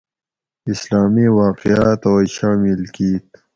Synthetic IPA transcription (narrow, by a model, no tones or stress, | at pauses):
islaːmiwaːqijaːt̪awajʃaːmilkiːt̪